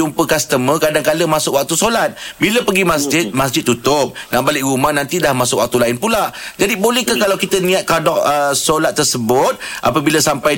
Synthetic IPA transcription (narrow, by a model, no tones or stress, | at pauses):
umpəkasə̥t̪əmə̃kadaŋkaləmasʊkwak̚t̪usolat̪̚biləpəɡimasd͡ʒɪt̪̚mas̬d͡ʒɪt̪̚ːut̪ʊp̚naʔbalɪk̚ɾumahnãnt̪idahmasʊkwa̰k̚t̪ulaɪnpulad͡ʒadibolɛhkakalawkit̪ənĩat̪̚kadɔʔəsolat̪ːərsəbʊt̪̚ʔa̰pəbilasampaj